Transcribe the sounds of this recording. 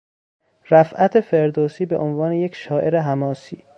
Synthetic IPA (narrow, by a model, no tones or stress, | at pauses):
ɾæfʔæt̪ʰe̞fe̞ɾd̪oːsiːbeʔonvɒːnejecʃɒːʔe̞ɾeɦæmɒːsiː